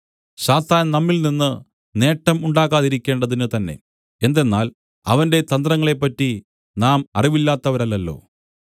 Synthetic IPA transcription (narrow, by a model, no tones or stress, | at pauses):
ɕaːt̪aːnnɐmːilninːɨ | ne̞ːʈːɐmuɳɖaːɣaːðiɾikʲːe̞ːɳɖɐðinɨt̪ɐnːe̞̰ | end̪e̞nːaːl | ɐ̰ʋɐnde̞t̪ɐnd̪rɐŋːɐɭe̞pːɐtːi | naːmɐriʋilːaːt̪ːɐʋɐɾɐlːɐlːo̞̰ː